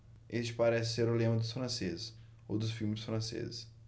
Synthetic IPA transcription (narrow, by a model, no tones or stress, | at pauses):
est͡ʃɪ̥paɾɛsɪseɾʊlẽmɐ̃d̪ʊsfɾɐ̃sezɪs | owd̪ʊsfiwmɪsfɾɐ̃sḛzɪs